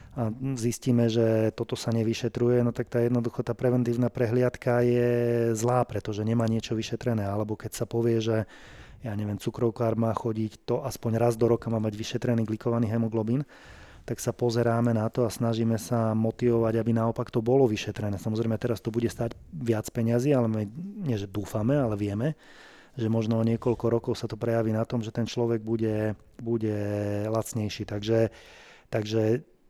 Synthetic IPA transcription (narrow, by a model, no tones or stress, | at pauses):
azisciːmɛʒɛt̪ɔt̪ɔsaɲɛʋiʃɛt̪ɾujɛnɔt̪ak̚t̪aːjɛd̪nɔd̪uxɔt̪aːpɾɛʋɛnt̪iːʊnapɾɛɦlɪat̪kajɛzlaːpɾɛt̪ɔʒɛɲɛmaːɲɪɛt͡ʃɔʋiʃɛt̪ɾɛnɛːalɛbɔkɛcsapɔʋɪɛʒɛ | jaːɲɛʋɪɛmt͡sukɾɔʊkaːɾmaːxɔɟict̪ɔʔaspɔɲɾazd̪ɔɾɔkamaːmaɟʋiʃɛt̪ɾɛniːɡlikɔʋaniːɦɛmɔɡlɔbiːn | t̪aksapɔzɛɾaːmɛnat̪ɔasnaʒiːmɛsamɔt̪iʋɔʋaɟabinaɔpakt̪ɔbɔlɔʋiʃɛt̪ɾɛnɛːsamɔzɾɛmɛt̪ɛɾast̪ɔbuɟɛst̪aːɟʋɪat͡spɛɲaziːalɛmiɲɪɛʒɛd̪uːfamɛalɛʋɪɛmɛ | ʒɛmɔʒnɔɔɲɪɛkɔʎkɔɾɔkɔʊsat̪ɔpɾɛjaʋiːnat̪ɔmʒɛt̪ɛnt͡ʃlɔʋɛɡ̚buɟɛ | buɟɛlat͡sɲɛjʃiːt̪aɡʒɛt̪aɡʒɛ